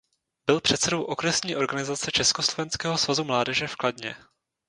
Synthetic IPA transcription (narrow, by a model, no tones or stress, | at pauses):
bɪlpr̥ɛt̪sɛdo̞wʔo̞kɾɛsɲiːʔo̞ɾɡanɪzat͡sɛt͡ʃɛskoslo̞vɛnt͡skɛːɦosvazumlaːdɛʒɛfkladɲɛ̰